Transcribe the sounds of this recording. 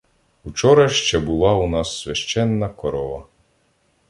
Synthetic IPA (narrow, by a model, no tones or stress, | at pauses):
wt͡ʃɔɾɐʃt͡ʃɛbʊlˠɑunɑsːʋʲɐʃt͡ʃɛnːɐkɔɾɔʋɐ